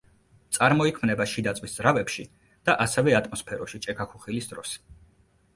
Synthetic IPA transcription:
t̪sʼaɾmɔikʰmnɛbaʃid̪at̪sʼvwisd̪zɾavɛpʃi | d̪̥aʔasɛvɛat̪ʼmɔspʰɛɾɔʃit͡ʃʼɛkʰakʰuχilisd̪ɾɔs

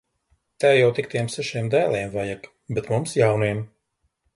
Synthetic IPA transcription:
t̪aːjawt̪ik̚t̪iɛmsɛʃiɛmd̪æːlˠiɛmvajak | bɛt̪mumsjawniɛm

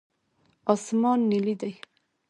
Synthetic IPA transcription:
ɑsmɑnːilid̪aj

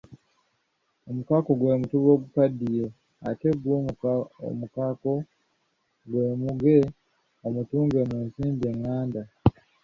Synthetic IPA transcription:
o̞mukako̞ɡwe̞ːmutuβo̞ːɡukadːije | a̰te̞ɡwoo̰mukako̞ | ɡwe̞ːmuɡe̞ | omutuːŋɡe̞mweːnziːmbeŋːaːnda

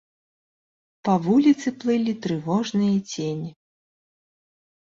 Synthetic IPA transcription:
pɐvulʲit̪sɨplˠɨlʲit̪ɾɨvɔʐnɨjɐt͡sʲenʲi

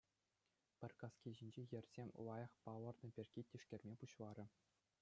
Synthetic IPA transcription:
pʲɘ̆rʲkɑskʲiʑinʲd͡ʑejɘ̆rʲz̥ʲemʲlˠɑjɑ̆χpɑlɤ̆rnɤ̆pʲerʲɡʲitʲːiʂkʲĕrʲmʲepuɕlˠɑɾʲɘ̆

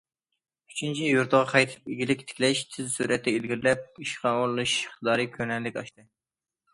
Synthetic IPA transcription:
y̥t͡ʃʰynt͡ʃʰijuɾt̪ʰəʁɑqʰɑjt̪ʰɪ̥piɡʲilɪkʲt̪ʰɪ̥kʲlɛʃt̪ʰɪzsuːɾʔɛt̪ːɛilɡʲiɾlɛp̚iʃχɑolˠlˠuʃχt̪əd̪ɑːɾikʲʰønɛlːɪkʲɑʃt̪ɨ

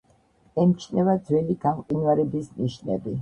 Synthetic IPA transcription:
ɛmt͡ʃʰnɛvad̪zwɛliɡamqʼinwaɾɛbisniʃnɛ̰bi

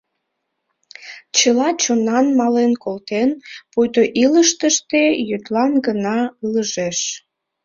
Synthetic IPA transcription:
t͡ɕəlɑt͡ɕonɑnmɑlenkolt̪enpujt̪oʔiləʃt̪əʃt̪ejyt̪lɑnɡənɑləʒeʃ

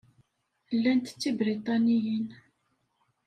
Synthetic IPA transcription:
lːænt̪t͡sːibɾit̪ˤɑnijən

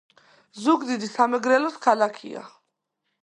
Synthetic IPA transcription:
zuɡd̪id̪isamɛɡɾɛlɔskʰalakʰḭa̰

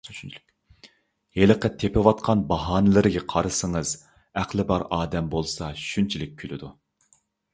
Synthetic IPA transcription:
heləqət̪ʰepɪwɑt̪̚qʰɑnbɑɦɑːnɨlˠɨɾɪɡʲɛqʰɑɾɨsɨŋəz | æqlˠɪbɑɾɑːd̪ɛmbolˠsɑʃʃynt͡ʃʰilɪk̚ʲkʲʰylɪd̪u

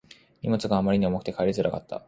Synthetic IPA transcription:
ɲʲḭmot͡sɨɡaːmaɾʲiɲiomokɯ̟̥t̪e̞kʰaeɾʲizɨɾʔaka̰t̪ːa̰

